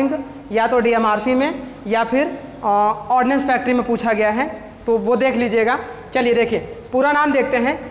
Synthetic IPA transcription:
ɪ̃ŋɡ | jat̪oɖiemaːɾsimẽ | japʰɪɾ | ɔːɾɖɪnɛ̃nspʰɛːk̚ʈəɾimẽpuːt͡ʃʰaɡɐjaɦɛ | t̪oʋod̪eːkʰliːd͡ʒieːɡaːt͡ʃɐlied̪eːkʰiepuːɾanaːmd̪eːk̚ʰt̪eɦɛ̃ː

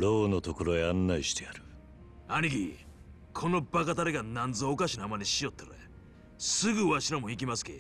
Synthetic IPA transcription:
ɾoːno̞t̪oko̞ɾo̞eanːaiɕi̥t̪ejaɾɯ̟ | anʲiɡʲi | kʰo̞no̞bakat̪̬aɾeɡanãnd͡zzɨokaɕinoamanʲiɕio̞t̪ːeɾoḛ | sɨɡɯ̟βaɕiɾamo̞ik̬ʲimasɨ̥ke

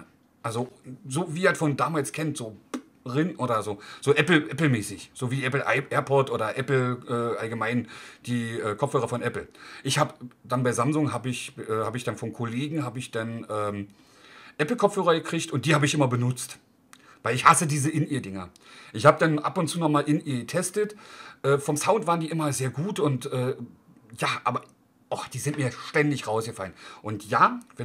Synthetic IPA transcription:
ʔalzozoːviːitfɔndaːmaːlskʰɛntz̥oː | ʁɪnʔoːɾɐzoːz̥oːʔɛpl̩ʔɛpl̩mɛːsɪçz̥oːviːʔɛpl̩ʔaɪʔɛːɐpʰɔtʔoːɾɐʔɛpl̩ʔɛːʔalɡəmaɪnd̥iːʔɛːkʰɔpfhøːʁɐfɔnʔɛpl̩ʔɪçhaːbəd̥anbaɪzamzʊŋɦaːbəɪçʔɛːhaːbəɪçd̥anfɔnkʰoleːɡŋ̩ɦaːbəɪçd̥anʔɛːm | ʔɛpl̩kʰɔpp͡ffhøːʁɐɡəkʁ̥ɪçtʊnt̚d̥iːhaːbəɪçʔɪmɐbənʊt͡st | vaɪlɪçhasədiːzəʔɪniːɐdɪŋɐ | ʔɪçhaːbədanʔa̰pʊntt͡suːnɔχmaːlʔɪniːɐɡətʰɛstətʔɛːfɔmsaʊntv̥aːʁəndiːʔɪmɐzeːɐɡuːtʊntʔɛː | jaːʔa̰ːbɐ | ʔɔd̥iːzɪntmiːɐʃtɛndɪçʁaʊsɡ̥əfalənʔʊntjaːvɛ

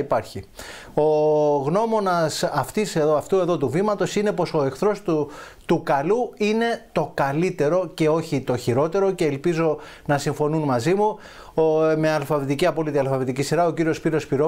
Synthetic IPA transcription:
ipɐɾçi | o̞ɣno̞mo̞nɐsɐft̪iseðoɐft̪ue̞ðo̞t̪uvimɐt̪o̞sine̞po̞so̞e̞kθɾo̞st̪u | t̪ukɐluine̞t̪o̞kɐlit̪e̞ɾo̞ce̞o̞çit̪o̞çiɾo̞t̪e̞ɾo̞ce̞ːlpizo̞ | nɐsiɱfo̞nunmɐzimu | meɐlfɐvit̪iciɐpo̞lit̪iɐlfɐvit̪icisiɾɐo̞ciɾiospiɾiospiɾo

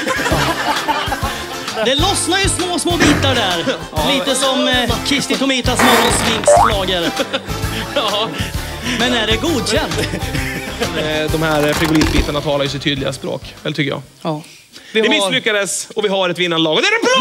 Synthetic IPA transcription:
d̪ɛlɔsnajɵsmoːsmoːbiːt̪aɖæɾ | liːəsɔmkʰɾɪst̪ɪt̪ʊmiːt̪asmɔɾəsmɪnslɑːɡaɾ | mɛnæɖɛɡuːd̪ɕɛnt̪ | d̪ɔmhæɾfɾɪɡʊliːt̪biːt̪aɳat̪ʰɑːlajɵsɪt̪ʰyːd̪lɪɡaspɾo̰ːkɛlt̪ʰʏkːəjɑ̰ː | d̪ɪɪmɪsɾʉːkad̪ɛsɔvɪɦaɾɛt̪vɪnːanəlɑːɡɔd̪ɛæɾɛb

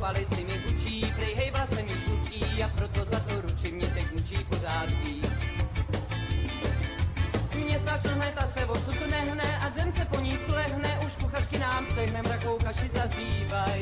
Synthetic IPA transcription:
valɪt͡sɪmɛt̪ut͡ʃiːpɾɛjɦɛjvlasɛmɛt̪ut͡ʃiːapɾot̪ozat̪oɾut͡ʃɪmɲɛt̪ɛcnut͡ʃiːpor̝aːt̪viːt͡s | mɲɛst̪aʃl̩ɦnɛt̪asɛvot͡sut̪nɛɦnɛʔazɛmsɛpoɲislɛɦnɛʔuʃkuxat͡ʃkɪnaːmslɛɦnɛmɾako̞wkaʃɪzaziːvaj

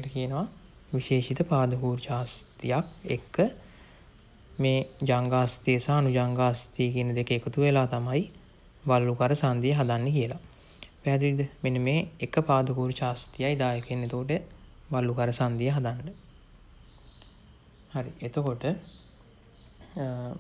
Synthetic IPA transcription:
ʈəkijənəʋa | ʋiʃeːʃit̪əpaːd̪əkuːɾt͡ʃaːst̪ijakḛkːə | meːd͡ʒaŋɡaːst̪ijəsaːnud͡ʒaŋɡaːst̪ikiənəd̪ekəekut̪uʋelaːt̪amaj | ʋalːukaɾəsand̪ijəɦad̪anːəkijəla | pæɦːd̪uid̪əmenəmeːkəpaːd̪əkuːɾt͡ʃaːst̪ijajd̪aːjəkenːet̪okoʈ̬ə | ʋalːukaɾəsand̪ijəɦad̪anːə | haɾḭʔet̪əkoʈə

